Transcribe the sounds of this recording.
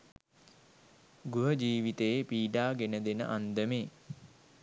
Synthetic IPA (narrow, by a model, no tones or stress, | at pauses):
ɡuɦəd͡ʒiːʋit̪ejepiːɖaːɡenəd̪enə̰ʔand̪əmeː